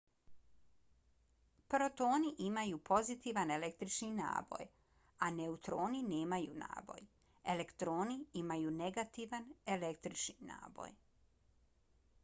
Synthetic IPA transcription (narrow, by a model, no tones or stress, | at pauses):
pɾo̞t̪o̞ːniʔimajupʰo̞zit̪iʋane̞lekt̪ɾit͡ʃnina̰ːbo̞̰j | ane̞ut̪ɾoːnineːmajṵna̰ːbo̞̰j | ele̞kt̪ɾo̞ːniimajuːne̞ɡat̪iʋanele̞kt̪ɾit͡ʃnina̰ːbo̰j